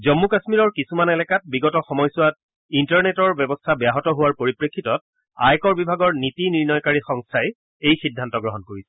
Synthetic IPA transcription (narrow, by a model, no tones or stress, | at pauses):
zɔmːukasmiɹɔɹkisumanɛlɛkat̚biɡɔtɔxɔmɔjsʊwat̚ | intaɹnetɔɹbɛbɔstʰabjaɦɔtɔɦʊwaɹpoɹipɹekʰːitɔt̚ | a̰jkɔɹbibʱaɡɔɹnitiniɹnɔjkaɹixɔŋstʰaɛ | ejxidʱːantɔɡɹɔɦɔnkoɹisɛ̥